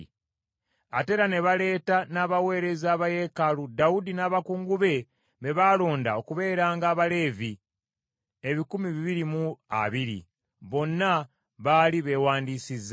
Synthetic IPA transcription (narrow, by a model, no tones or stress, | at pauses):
ate̞ɾane̞βale̞ːtanaːβawe̞ːɾe̞zaːβaje̞kaludaudinaːβakuːŋɡuβe̞ | βe̞βaːlo̞ːndao̞kuβe̞ːɾaːŋɡaːβale̞ːvi | eβikumiβiβiɾimua̰βiɾḭ | βo̞nːa | βaːliβe̞ːwaːndiːsizːa